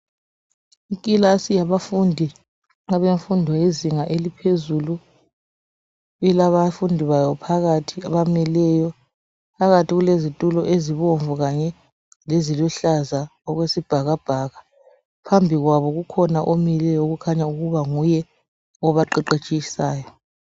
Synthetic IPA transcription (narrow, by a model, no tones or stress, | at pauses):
ikʼilasijaβafundʱi | ŋaβeɱfundʱɔjeziŋaʔelipʰezulu | ɛlaβafundʱiβajɔpʰaɣatʰiaβamɛlɛjɔ | pʰaɣatʰiɣulezitʼulɔʔeziβoɱvuɣaɲɛ | lezilɔɬazaɔɣwesib̥ʱaɣab̥ʱaɣa | pʰambʱiɣwaβɔɣukʰɔnaʔomilɛjɔɣukʰaɲauɣuβaŋujɛ | ɔβaǃɛǃet͡ʃʼijisaːjɔ